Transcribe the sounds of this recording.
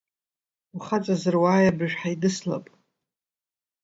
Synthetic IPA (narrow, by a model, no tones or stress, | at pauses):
uχat͡sʼazɨrwaːjabɨʒᶣħajidɨsla̰pʼ